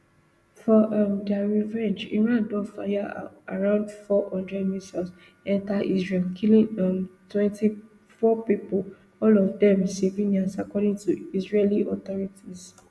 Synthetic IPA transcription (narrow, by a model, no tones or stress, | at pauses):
fɔʔamdaɹivɛ̃nd͡ʒḭ̃ɹãndɔfa̰jaaɹãʊ̃ndfɔhɔ̃ndɹɛdmisas | ɛ̃ntaʔisɹelkʰilĩãmtwɛ̃nti | fɔpipo | ɔlɔvdɛ̃msevĩnĩãnsakɔdĩŋtuisɹeliɔt̪ɔɹitis